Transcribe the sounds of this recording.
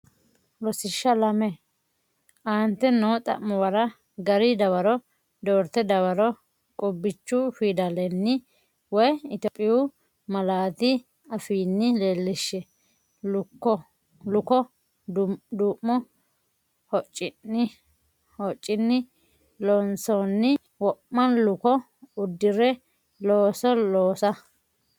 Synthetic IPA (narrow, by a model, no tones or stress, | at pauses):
lɔsɪʃːɐlɐmɛ | ʔaːnt̪ːɛnɔːt̪ʼɐ̰mːɔwɐɾɐ | ɡɐɾɪd̪ɐwɐɾɔ | d̪oːɾt̪ɛd̪ɐwɐɾɔ | kʼɔbːɪt͡ʃːʊfid̪ɐlɛnːɪ | wɔjɪt̪ɔpʼːɪjʊ | mɐlaːt̪ɪ | ɐfiːnːɪleːlːɪʃːɛ | lʊkːɔ | lʊkɔ | d̪uːmːɔ | hɔt͡ʃʼːɪnːɪ | hɔt͡ʃʼːɪnːɪ | lonsɔnːɪ | wɔpːɐnlʊkɔ | ʊd̪ːɪɾɛ | loːsɔloːsɐ